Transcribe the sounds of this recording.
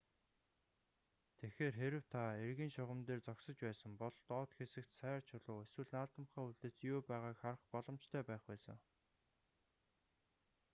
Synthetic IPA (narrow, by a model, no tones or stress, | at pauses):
t̪ʰexeːrxeɾɘ̆w̥t̪ʰaerɣiːnʃʊʁə̆mt̪eːrt͡sɔksɞ̆t͡ɕpæːsə̆ŋpɔɮt̪ɔːt̪xesɘ̆kt̪sæːrt͡ɕʰʊɮʊːeswɘ̆ɮnaːɮt̪ə̆mχæːuɮt̪ĕːt͡sjʊːpæːʁaːkχaɾə̆χpɔɮɞ̆mt͡ɕt̪ʰœːpæːχpæːsə̰̆ŋ